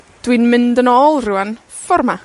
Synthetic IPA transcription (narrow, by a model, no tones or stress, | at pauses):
d̥winmɪndənɔːlˠruwan | fɔrma